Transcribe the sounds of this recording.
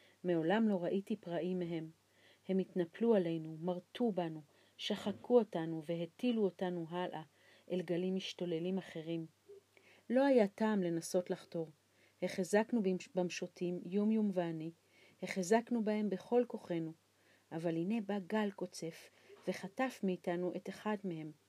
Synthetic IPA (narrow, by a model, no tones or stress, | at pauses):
me̞o̞lamlo̞ʁaʔitipʁaʔimeɦe̞m | he̞mitnapluale̞jnumaʁtubanu | ʃaχakuo̞tanuve̞ɦetiluo̞tanuɦalʔa | ʔelɡalimiʃto̞le̞limaχe̞ʁim | lo̞ajataːmle̞naso̞tlaχto̞ʁ | heχezaknubamʃotʰimjumjumveani | heχezaknubahe̞mbe̞χo̞lko̞χe̞nu | ʔavalhine̞baɡalko̞t͡se̞f | ve̞χatafmiːtanuʔe̞teχadmehe̞m